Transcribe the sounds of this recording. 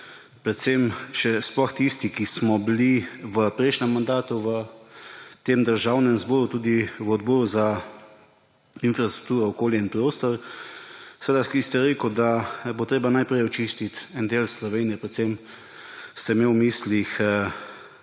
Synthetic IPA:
pɾɛt̪semʃɛsplɔxt̪ist̪ikismɔbiliʋəpɾɛjʃnɛmːand̪aːt̪uʋə | t̪emd̪əɾʒawnɛmzbɔːɾut̪uːd̪iʋəɔd̪̚bɔːɾuza | infɾast̪ɾu̥k̚t̪uːɾɔɔkoːljɛinpɾoːst̪ɔɾ | səʋed̪akist̪ɛɾeːkəwd̪abot̪ɾeːbanajpɾɛjɔt͡ʃist̪it̪ɛnd̪eːlslɔʋeːnijɛpɾɛt̪sem | st̪ɛmewmislixə

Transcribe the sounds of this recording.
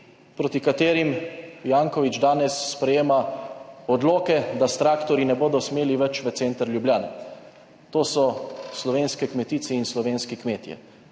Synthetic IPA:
pɾot̪ikat̪eːɾimjaːŋkɔʋid͡ʒd̪aːnɛsːpɾɛjeːmaɔd̪loːkɛd̪ast̪ɾaːkt̪ɔɾinɛboːd̪ɔsmeːliʋɛt͡ʃʋət̪seːnt̪əɾlʲjubljaːnɛ | t̪oːsɔslɔʋeːnskɛkmɛt̪iːsɛinslɔʋeːnskikmeːt̪jɛ̰

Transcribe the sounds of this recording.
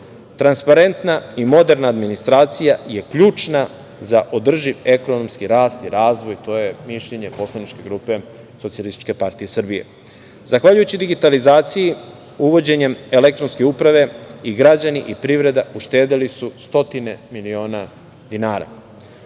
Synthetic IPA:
t̪ɾanspaɾe̞nt̪naimo̞d̪e̞ɾnaːd̪minist̪ɾaːt̪sijaje̞kʎuːt͡ʂna | zaʔo̞d̪r̩ʒiʋe̞ko̞nomskiɾaːst̪iɾaːzʋo̞jt̪o̞jemiʃʎeɲe̞po̞slˠanit͡ʃke̞ɡɾuːpe̞ | so̞t̪ijalist̪i̥t͡ʃke̞paɾt̪ijesr̩bijḛ | zaxʋaʎujut͡ɕid̪iɡit̪alizaːt̪siji | uʋo̞d͡ʑe̞ɲe̞melek̚t̪ɾo̞nske̞upɾaʋe̞iɡɾad͡ʑaniʔipɾiʋɾe̞d̪auʃt̪eːd̪elisust̪o̞t̪ine̞milio̞ːna | d̪inaːɾa̰

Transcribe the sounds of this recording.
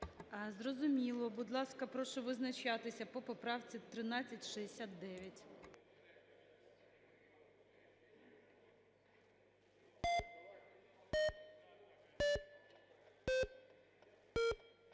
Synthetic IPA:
ɐzrɔzʊmʲilˠɔbud̪lˠɑskɐpɾɔʃɔʋɪznɐt͡ʃɑt̪ɪsʲɐpɔpɔpɾɑwt͡sʲit̪ɾɪnɑt͡sʲːɐtʲʃɛesʲat̪̚d̪ɛʋʲjɐtʲ

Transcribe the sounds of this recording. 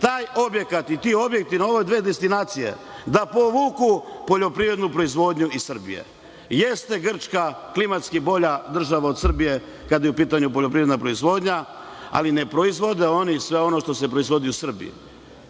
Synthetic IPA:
t̪aːjo̞bje̞kat̪it̪iːo̞bje̞k̚t̪inaoʋod̪ʋeːd̪est̪inaːt̪sije̞̰d̪apo̞ʋukupo̞ʎo̞pɾiʋɾe̞d̪nupɾo̞izʋo̞ːd̪ɲuisr̩bḭjḛ | jest̪e̞ɡr̩t͡ʃkaklimat̪skibo̞ʎad̪r̩ʒaʋaod̪sr̩bije̞ | kad̪jeupiːt̪aɲupoʎo̞p̬ɾiːvɾed̪napɾo̞izʋo̞ːd̪ɲa | a̰line̞pɾo̞izʋo̞d̪eo̞nisʋe̞o̞no̞ʃt̪o̞sepɾo̞izʋo̞d̪iusr̩bḭ

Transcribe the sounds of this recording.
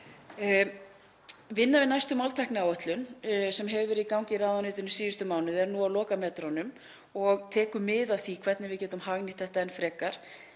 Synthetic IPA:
vɪnːavɪnajst̪ʏmːawlt̪ʰajknɪawœt̪lʏnsɛmɦɛvɪvɛːɾɪðikawɲcɪraːðanɪːt̪ɪnʏsiːðʏst̪ʏmaːwnʏðɛɾnuaðlɔːkamɛːt̪ɾanʏm | ɔɣt̪ʰɛːkʏmːɪðaðθikʰvɛt̪nɪvɪcɛːt̪ʏmhaɣnɪ̥t̪θɛht̪aɛnfɾɛːkaɾ̥

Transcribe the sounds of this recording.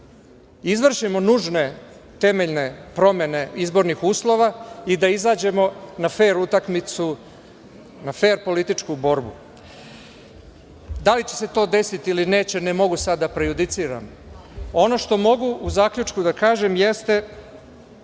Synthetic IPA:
izʋr̩ʃimo̞nuːʒne̞ | t̪e̞me̞ʎne̞pɾo̞me̞ne̞izbo̞ɾnixuːslˠo̞ʋaid̪aizaːd͡ʑe̞mo̞nafe̞ːɾut̪akmit̪su | nafe̞ːɾpo̞lit̪it͡ʃkubo̞ɾbu | d̪alit͡ɕese̞t̪o̞ːd̪e̞sit̪iiline̞ːt͡ɕe̞nemo̞ɡusad̪ːapɾejud̪it̪siːɾa̰m | o̞no̞ʃt̪o̞mo̞ɡuʔuzaːkʎʲut͡ʃkud̪akaːʒe̞mjest̪e̞

